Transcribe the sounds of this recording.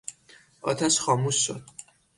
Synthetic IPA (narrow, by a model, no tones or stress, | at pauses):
ʔɒ̰ːt̪ʰæʃxɒːmusːod̪̥̚